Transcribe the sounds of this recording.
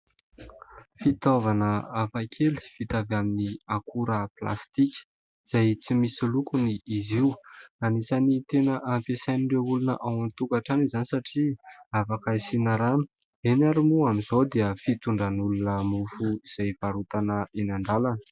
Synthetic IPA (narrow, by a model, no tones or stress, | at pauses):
fit̪ovanəafakʰeli̥fit̪avaminiakuɾəpla̰st̪ikʲə̥ | iz̥ajt͡simisilukuniʔːziwanisanit̪enəʔampesajniɳɖ͡ʐeulunə̰ʔawant̪ukaʈ͡ʂanizanisaʈ͡ʂiafakaisinaɾanə̥ | enaɾimuamizod̪eəfit̪uɳɖ͡ʐanulunəmufuiz̥ajvaɾut̪anəenaɳɖ͡ʐalanə̥